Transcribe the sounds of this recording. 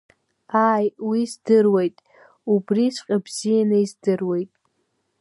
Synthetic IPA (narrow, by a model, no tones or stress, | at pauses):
aːjwizdɨrwejtʼ | ubrisʷqʲʼabz̥ijanɨizdɨrwe̞jtʼ